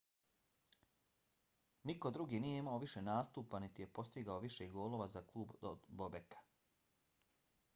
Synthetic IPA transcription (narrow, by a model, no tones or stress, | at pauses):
nikod̪ɾuɡiːnije̞imao̞ʋiʃenaːst̪uːpanit̪ije̞po̞st̪iɡaoʋiʃeɡoːlˠo̞ʋazaklˠuːbod̪bobekḁ